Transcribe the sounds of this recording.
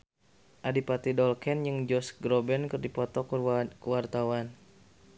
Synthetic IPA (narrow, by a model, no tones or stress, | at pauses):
ʔadipat̪idɔlkɛnjɨŋd͡ʒɔsɡɾɔbɛnkərdipɔt̪ɔkwart̪awan